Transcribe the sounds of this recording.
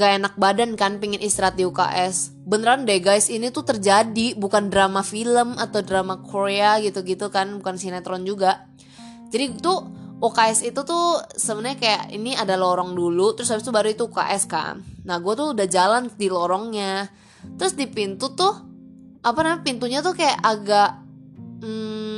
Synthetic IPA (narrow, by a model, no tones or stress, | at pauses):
ŋɡaenak̚badankanpiŋɪnist̪ɾat̪̚iuka̰ʔɛs | bənəɾandaɡajsinit̪ut̪ərd͡ʒadibukandɾamafiləmat̪awdɾamakʰoɾeaɡit̪uɡit̪ukanbukansinɛt̪ɾɔnd͡ʒuɡa | d͡ʒadit̪uukaɛsit̪ut̪ʊsəbənaɲakajaʔḭniadalɔɾɔŋdulut̪əɾʊshabɪst̪ubaɾuit̪uːka̰ʔɛska̰nːahɡuat̪uːdahd͡ʒalandilɔɾɔŋɲa | t̪əɾʊsdipint̪ut̪ʊh | ʔapanamapint̪uɲat̪ukajaʔaɡaʔ̩